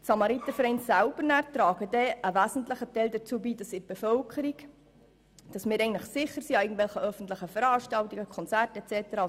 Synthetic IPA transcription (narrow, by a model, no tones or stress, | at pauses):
tsɑmɑɾit̪əfɾɛɪnsæʊb̥əɾnæːɾtɾɑːɡədɛʔəʋæzn̩tləχətɛɪldət͡suːbiːdɑsɪɾb̥ɛfœlkʰəɾik | d̥ɑsmɪːɾɛɪɡn̩tlɪχsɪχəɾsiɑɪɡŋ̩t̪vɛlχəœfən̩t̪ləχəfəɾɑːʃtɑltiɡəkʰɔnt͡særtɛt͡sɛtəɾɑ